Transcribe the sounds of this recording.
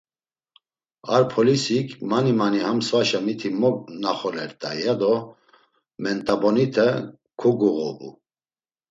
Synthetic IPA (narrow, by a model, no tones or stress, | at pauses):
aɾpʰɔlisikʰmanimanihamsvaʃamit̪ʰimɔknaχɔlɛɾt̪ʼajad̪ɔ | mɛnt̪ʼabɔnit̪ʰɛ | kʰuɡuɣɔ̰bṵ